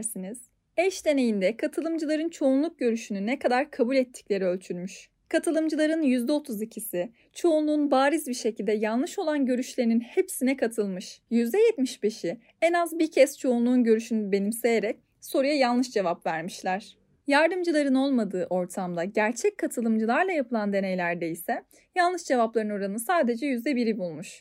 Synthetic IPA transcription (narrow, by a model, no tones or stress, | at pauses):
ɾsiniz̥ | ɛʃd̪e̞ne̞jind̪ɛkʰat̪ʰɯlˠɯmd͡ʒɯlˠaɾɯnt͡ʃʰo̞unlˠuk̚ɟø̞ɾyʃynynɛkʰad̪aɾkʰabulʲɛt̪ʰːi̥clʲe̞ɾiølʲt̪ʰyɾmyʃ | kʰat̪ʰɯlˠɯmd͡ʒɯlˠaɾɯnjyzd̪ɛo̞t̪ʰuzicʰisɪ | t͡ʃʰo̞unlˠuːnbaːɾizbiɾʃe̞cʰilʲd̪ɛjalˠlˠɯʃo̞lˠanɟø̞ɾyʃlʲe̞ɾininhepsinɛkʰat̪ʰɯlˠmɯʃjyzd̪ɛjɛt̪miʃbe̞ʃi | ɛnazbiɾcʰɛst͡ʃʰo̞unlˠuːnɟø̞ɾyʃynybe̞nimse̞jeɾɛc̚ | so̞ɾujajalˠnɯʃd͡ʒe̞vapvæɾmiʃlʲæɾ̥ | jaɾd̪ɯmd͡ʒɯlˠaɾɯno̞lˠmad̪ɯːʔo̞ɾt̪ʰamd̪aɟæɾt͡ʃʰɛc̚kʰːat̪ʰɯlˠɯmd͡ʒɯlˠaɾlˠajapʰɯlˠand̪e̞ne̞jlʲæɾd̪eisɛ | jalˠɯʃd͡ʒe̞vaplˠaɾɯnoɾanɯsaːd̪e̞d͡ʒɛjyzd̪ɛbiɾibulˠmuʃ